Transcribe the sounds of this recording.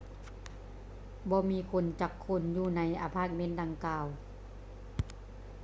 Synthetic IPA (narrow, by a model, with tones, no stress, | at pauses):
bɔː˧˦miː˧˨kʰo˧˥˨nt͡ɕa˧˩kʰːo˧˥˨njuː˧na˧˨jʔa̰˧˩pʰaː˧˥˩k̪̚me˧˥˨nda˧ŋkaː˧˩w